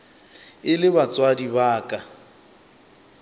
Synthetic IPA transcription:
ɪlɪbat͡sʼwadibaːkʼa

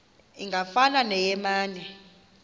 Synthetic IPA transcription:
iŋɡʱafananɛjɛmaːnɛ

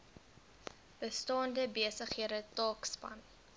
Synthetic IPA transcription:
b̥əstɑːndəbeəsəχɦiəɾətɑːkspɐ̰n

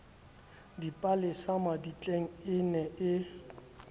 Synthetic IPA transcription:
dipʼalɪsamabit͡ɬʼeŋ̩ɪnɛʔɪ

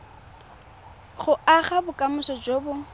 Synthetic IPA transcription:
χʊʔaχabʊkʼamʊsɔd͡ʒoːbʊ

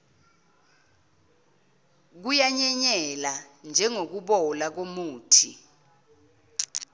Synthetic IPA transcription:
k̬ujaɲɛɲɛland͡ʒʱɛŋok̬uɓɔlak̬omuːtʰḭ

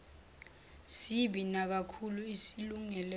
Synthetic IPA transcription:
siɓinak̬akʰuluisiluŋɛlɛ

